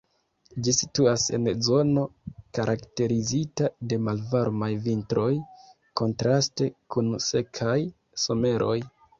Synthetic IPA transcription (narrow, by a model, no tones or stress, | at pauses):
d͡ʒisituase̞̰nzo̞no̞kaɾʔakte̞ɾizitade̞malvaɾmajvintɾo̞j | ko̞ntɾaste̞kunse̞kʰaj | so̞me̞ɾo̞j